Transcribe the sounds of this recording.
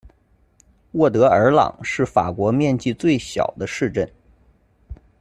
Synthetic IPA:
wɔ˥˩t̪̬ɤ˧˥ə˞˧˥lɑ̰˨˩ŋʂɻ̩˥˩fa̰˨˩kwɔ˧˥mjɛ˥˧nt͡ɕi˥˧t͡swe˥˩ɪɕjɑ̰˨˩ʊd̪ə˦ʂɻ̩˥˧ʈ͡ʂə˥˩n

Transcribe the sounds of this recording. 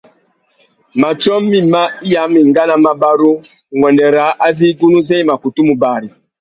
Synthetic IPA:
ma˨t͡ʃɔ˦mːi˨ma˦i˦ja˨˦mi˨ŋɡa˦na˦ma˦ba˦ɾu˦ | ŋɡwɔ˨ndɛ˨ɾa˨˦ʔa˦zi˦ɡu˦nu˦zɛ˦i˦ma˨ku˨tu˦mu˨ba˨ɾi˨

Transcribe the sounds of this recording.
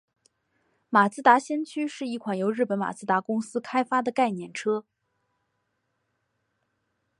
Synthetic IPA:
ma˨˩sɹ̩˥t̪a˧˥ɕjɛ˥nt͡ɕʰy˥ʂɻ̩˥˧i˥˩kʰwa˨˩njo˧˥ʊɻ̩˥˩pə˧˥nma̰˨˩sɹ̩˥˩t̪a˧˥kʊ˥ŋsɹ̩˥kʰa˥ɪfa˥d̪ə˨ka˥˩ɪnjɛ˥˩nʈ͡ʂʰɤ˥

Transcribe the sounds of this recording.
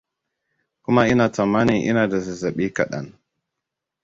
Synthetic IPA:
ku˦ma˦ʔi˦na˨ta˨ma˦ni˨ʔḭ˦na˨da˨za˨za˨ɓi˦ka˨ɗa̰˦˨n

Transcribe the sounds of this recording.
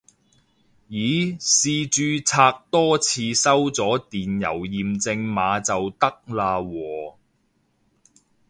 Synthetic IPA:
jiː˨˥siː˨˧t͡ʃyː˧t͡sʰaː˧k̚t̪ɔː˥t͡sʰiː˧sɐ˥wt͡sɔː˨˥t̪iː˨njɐ̰˨˩wjiː˨mt͡sɪ˧ŋmaː˨˧t͡sɐ˨wt̪ɐ˥k̚laː˧wɔː˨˩

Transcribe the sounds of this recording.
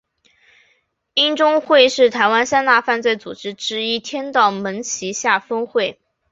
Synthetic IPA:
i˥nʈ͡ʂʊ˥ŋxwe˥˧ɪʂɻ̩˥˩t̪ʰa˧˥ɪwa˥nsa˥nt̪a˥˧fa˥˧nt͡swe˥˩ɪt͡su˨˩ʈ͡ʂɻ̩˥ʈ͡ʂɻ̩˥i˥t̪ʰjɛ˥nt̪ɑ˥˩ʊmə˧˥nt͡ɕʰi˧˥ɕja˥˩fə˥ŋxwe˥˩ɪ

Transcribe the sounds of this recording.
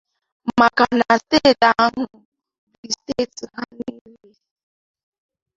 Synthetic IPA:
ma˨ka˨na˨ste˦˨ta˨˦ɦʊ˨ | bi˨ste˦˨tɦa˦ni˦e˨

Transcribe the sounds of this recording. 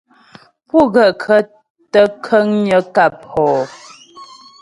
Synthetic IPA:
pu˦˨ɣə˨ʔkʰə˦ | tə˦kʰə˦ŋɲə˦ka˦˨p̚hɔː˨

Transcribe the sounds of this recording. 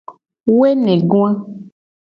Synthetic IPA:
we˦nɛ̃˨ɡõ˦ã˦

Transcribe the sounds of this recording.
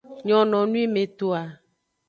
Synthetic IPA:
ɲɔ̃˨nɔ̃˨nũ˦i˦mẽ˨t̪o˨a˨

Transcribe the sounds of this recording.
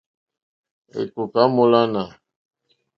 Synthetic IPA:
ḛ˨ku˨ka˦mo˨la˦na˨

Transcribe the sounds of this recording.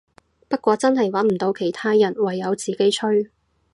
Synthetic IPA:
pɐ˥t̚kʷɔː˧t͡sɐ˥nɦɐ˨jwɐ˨˥nm̩˨˩t̪o˨˧wkʰe˨˩jt̪ʰaː˥jɐ˨˩nwɐ˨jːɐ˨˧wt͡siː˨˩ke˥jt͡ʃʰɵ˥ɥ

